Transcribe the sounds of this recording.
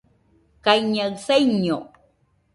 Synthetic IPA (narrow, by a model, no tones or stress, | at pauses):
kajɲasajɲo